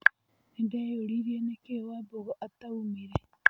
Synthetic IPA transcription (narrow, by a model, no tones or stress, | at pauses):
endaoɾiɾienekewaboɣoʔat̪aumiɾe